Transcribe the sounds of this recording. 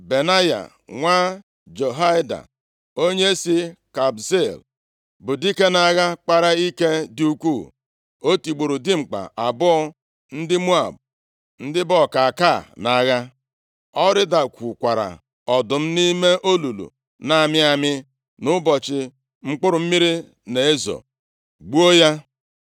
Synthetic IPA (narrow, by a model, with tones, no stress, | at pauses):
be˨na˦ja̰˨ | ŋʷa˦ | d͡ʒo˨ɦa˦jda̰˨ | o˦ɲe˦si˦ka˨bse˦˨l | bʊ˨di˦ke˦na˨ɣa˦k͡pa˦ɾa˦i˦ke˦di˦u˦kʷu˦˨ | o˦ti˨ɡ͡bo˨ɾu˨dɪ˦ŋ͡m̩˨k͡pa̰˨ʔa˨bʊ˦ɔ˦ | n̩˦dɪ˦mu˦a̰˨b̚ | n̩˦dɪ˦bɔ˦˨ka˨a˨ka˦˨na˨ɣa˦ | ɔ˦ɾɪ˦da˨kʷu˨kʷa˨ɾa̰˨ | ɔ˨dʊ˨m̩˦ni˦me˦ʔo˦lu˨lṵ˨ | na˦˨mɪ˦a˦mɪ˦ | nʊ˦bɔ˨t͡ʃɪ˨ | ŋ͡m̩˦k͡pʊ˦ɾʊ˨m̩˦mi˦ɾi˦ | ne˨e˦zɔ̰˨ | ɡ͡bu˦o˦ja˦